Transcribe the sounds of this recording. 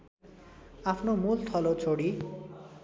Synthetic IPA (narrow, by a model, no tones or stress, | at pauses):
apʰnomult̪ʰʌlot͡sʰoɽi